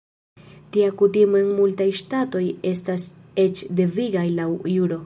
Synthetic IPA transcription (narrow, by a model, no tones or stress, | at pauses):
tiakutimoe̞nmultajʃtato̞je̞stas | e̞t͡ʃde̞viɡajlawjuɾo̞